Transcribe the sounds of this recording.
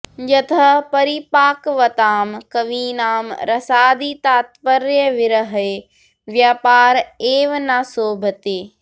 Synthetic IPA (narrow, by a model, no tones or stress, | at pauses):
d͡ʒɐt̪ʰəpɐɾipaːkʋɐt̪aːmkɐʋiːnaːmɾɐsaːd̪it̪aːt̪pəɾjəʋɪɾəɦe | ʋjaːpaːɾeːʋnaːsoːbʱət̪eː